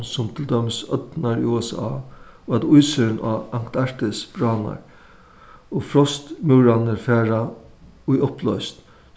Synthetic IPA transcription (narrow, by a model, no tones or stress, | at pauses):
sʊmt̪ʰɪld̪œmɪsœ̰t̪naɹ̰uɛsa̰ʋad̪ʊjsɪɾɪnʔa̰aŋkt̪aɹ̥t̪ɪsb̥ɹaːna̰ɹ | ofɾɔst̪muwɾanɪɾfɛːɾa | ʊjʊplɔ̰ʏst̪